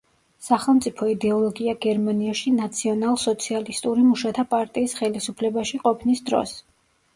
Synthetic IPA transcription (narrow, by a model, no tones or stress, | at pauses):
saχɛlˠmt̪sʼipʰɔid̪ɛɔlˠɔɡiaɡɛɾmaniaʃinat̪sʰiɔnalˠsɔt̪sʰialist̪ʼuɾimuʃat̪ʰapʼaɾt̪ʼiːsχɛlisupʰlɛbaʃiqʼɔpʰnisd̪ɾɔ̰s